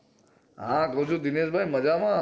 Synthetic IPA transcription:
ɦãkəɦũt͡ʃʰũd̪ineʃbʱajməd͡ʒamã

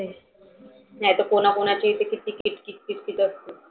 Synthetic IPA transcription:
e | nat̪okonakonat͡ɕəɦit̪ekiʈikiʈkiʈ̚kiʈkit̪əst̪u

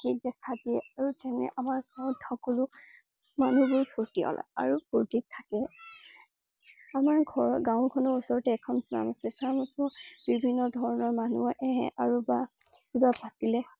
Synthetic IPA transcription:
kedɛkʰadiɛaɹutɛnɛ̰ʔamaɹɡaʊ̃tʰɔkolʊ | manubʊɹpʰuɹtiɔ̰lʔa̰a̰ɹupʰotik̚tʰakɛ | amaɹɡʱɔɹɡãʊkʰɔnɔɹusɔɹɔtɛːkʰɔnsna̰masɛkʰamasɔb̥ibʱinːɔdʱɔɹɔnɔɹmanuɔʔɛɦɛ̰̃ʔaɹuba | ubapatilɛ

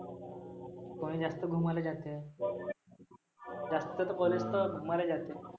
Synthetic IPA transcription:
koɽ̃iːd͡zast̪əɡʱumaled͡ʑat̪e | d͡zast̪t̪ət̪əqolest̪əɡʱumaled͡ʑat̪e

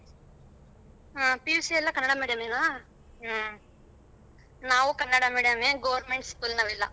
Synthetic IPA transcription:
apiusiɛlːaːkɐnːɐɽaːmeːɽijaːmeːnaː | naːʋukɐnːɐɽaːmeːɽijaːmeːɡoːʋɐɾnmeɳʈskuːlnɐʋɪlːɐ̰

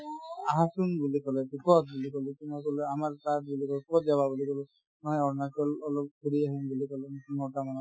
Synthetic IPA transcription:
aɦãsunbulikɔlɛbikɔt̚bulikɔlukinɔkɔlɛamaɹtat̚bulikɔlppɔt̚d͡ʒababulikɔlʊ | nɔjɔɹnasɔlɔlɔp̚kuɽiaɦimbulikɔlɛnitiŋɔtamanɔ

